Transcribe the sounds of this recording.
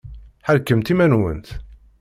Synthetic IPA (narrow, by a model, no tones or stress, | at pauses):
ħəɾkːəmt̪imænwə̰nt̪